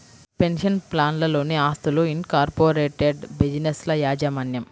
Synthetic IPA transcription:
penʂɐnplaːnlɐlo̞ːniaːst̪uluinkaːɾpoːɾeːʈeɖbid͡ʒineslɐjaːd͡ʒɐmɐnjɐm

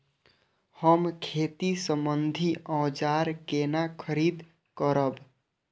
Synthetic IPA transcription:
həmkʰet̪isəmbənd̪ʱiʔə̃ːd͡ʒaɾkenakʰəɾid̪ | kəɾəb

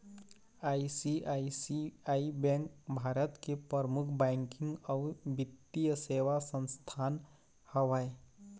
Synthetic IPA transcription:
aisiaisiaibɛ̃ŋk̚bʱaɾət̪kepəɾmukʰbɛ̃ŋkɪ̃ŋɡaʋbit̪ːijəseʋasə̃nst̪ʰan | həʋae

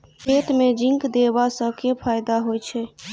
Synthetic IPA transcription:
kʰet̪med͡ʒĩŋkd̪ebasəbkepʰajd̪aɦojt͡ʃʰɛ

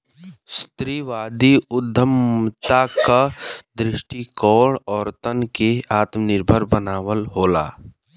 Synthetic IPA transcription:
st̪ɾiːʋaːd̪iʊd̪ʱːəmt̪akad̪ɾɪʃʈikɔːɽɔːɾt̪ənkeaːt̪mnɪɾbʱəɾbənaːʋəlɦoːla̰ː

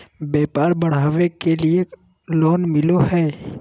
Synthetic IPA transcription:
bɛːpaːɾbəɽ̤aːʋekelie | loːnmɪlohɛː

